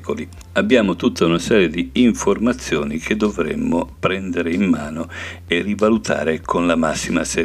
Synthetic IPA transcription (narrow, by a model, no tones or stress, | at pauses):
koli | abːjaːmot̪ut̪ːaunasɛːɾjed̪iːɱformat̪sːjoːnikʰed̪ːovɾḛmːopɾɛnd̪eɾeimːaːnoerivalut̪ʰa̰ːɾekʰonlamasːima̰se